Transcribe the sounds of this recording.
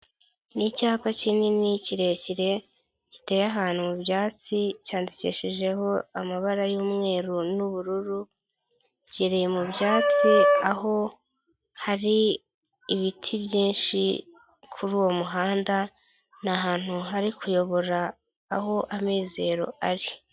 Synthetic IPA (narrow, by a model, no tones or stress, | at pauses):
nicaːpacininiciɾe̞ciɾe̞ | ci̥te̞ːjaɦaːn̥humubjaːt͡sicaːndicḛʃiʒe̞ɦo̞amaβaɾajuːmŋe̞ːɾunuβuɾuɾu | ɟeɾejemubjaːt͡siaho̞ | haɾiː | βitʰibjiːnʃḭ | kʰuɾuːwo̞muɦaːnda | naɦaːn̥huɦaɾikʰujo̞βo̞ɾaː | ho̞ʔamiːze̞ːɾo̞̰aɾi